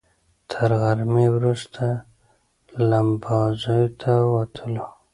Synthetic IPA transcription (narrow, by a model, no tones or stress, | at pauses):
t̪ʰəɾɣaɾmewɾust̪ʰa | lambɑzojot̪ʰawat̪ʰəlo